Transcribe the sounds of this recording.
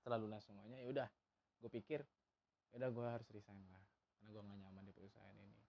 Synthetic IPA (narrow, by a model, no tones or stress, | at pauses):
t̪ərlalulaŋsuŋaɲajudah | ɡ̥uapikɪr | judahɡuaɦaɾʊsrisaŋlah | karnaɡuaŋaɲamandipəɾusa̰ɦa̰nini